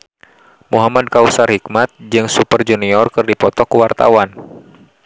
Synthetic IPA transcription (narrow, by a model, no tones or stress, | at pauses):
muɦamad̚kausarhik̚mat̪̚d͡ʒɨŋsupərd͡ʒuniɔrkɨrdipɔt̪ɔkuwart̪a̰wan